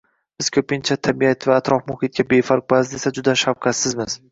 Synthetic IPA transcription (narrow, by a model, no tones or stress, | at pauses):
b̥ɪz̥kʲʰɵpɪnt͡ʃʰat̪ʰabijat̪ʰvaːt̪ɾɒfmʊhɪt̪̚ɡʲabe̞faɾq̚bazd̪esad͡ʒʊd̪aʃawqʰɑt̪sɪzmɪz̥